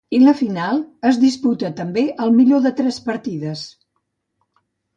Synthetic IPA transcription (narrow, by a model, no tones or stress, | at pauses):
iləfinalˠəzðisput̪ət̪əmbeʔəlˠmiʎoðət̪ɾɛspəɾt̪iðəs